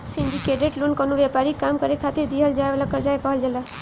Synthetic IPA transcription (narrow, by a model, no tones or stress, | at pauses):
sɪɳɖikeɖeʈlunkɔnũʋɛpaɾikamkəɾekʰat̪ed̪iɦəld͡ʒajʋalakəɾd͡ʒajkəɦəld͡ʒəla